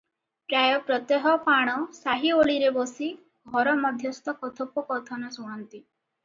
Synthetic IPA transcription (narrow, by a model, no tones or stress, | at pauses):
pɾajɔpɾɔt̪eɦɔpaɽ̃ɔsaɦioɭiɾebɔsi | ɡʱɔɾɔmɔd̪ʱjɔst̪ɔkɔt̪ʰopɔkɔt̪ʰɔnɔsuɽ̃ɔnt̪i